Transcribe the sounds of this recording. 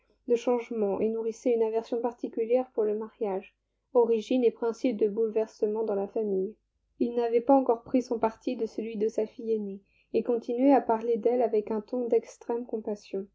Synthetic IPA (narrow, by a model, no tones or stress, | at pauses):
d̪əʃɑ̃ʒmɑ̃ʔenuʁisɛynavɛʁsjɔ̃paʁt̪ikʲyljɛʁpuʁləmaʁjaʒ | ɔʁiʒinepχɛ̃sip̚d̪əbulvɛʁsəmɑ̃d̪ɑ̃lafamij | ilnavɛpaɑ̃kɔʁpχisɔ̃paʁt̪id̪əsəlɥid̪əsafijeneː | kɔ̃t̪inɥɛapaʁled̪ɛlavɛkɛ̃t̪ɔ̃d̪ɛkst̪χɛmkɔ̃pasjɔ̃